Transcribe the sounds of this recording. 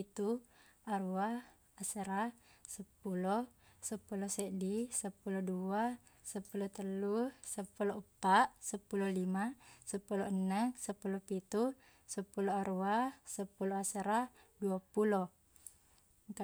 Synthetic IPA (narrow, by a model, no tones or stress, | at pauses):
it̪uaɾuaː | səɾasəpulɔsəpulɔsɛdisəpulɔdua | səpulɔt̪əlːusəpulɔəpːaʔsəpulɔlimasəpulɔənəŋsəpulɔpit̪u | səpulɔaɾuasəpulɔasəɾaduapulɔ | ŋk